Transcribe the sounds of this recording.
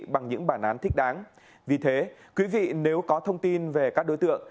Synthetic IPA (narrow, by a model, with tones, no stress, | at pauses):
ɓa˨˩ŋɲɨ̰˧˥ŋɓaː˧˩nʔaː˨˦nt̪ʰï˦˥k̟̚ɗaː˨˦n | vi˨˩t̪ʰe˨˦kwi˨˦vḭ˧˨ne˨˦wkɔ˨˦t̪ʰə˧wŋ͡mt̪i˧nve˨˩kaː˦˥k̚ɗo˨˦jt̪ɨ̰˧˨əŋ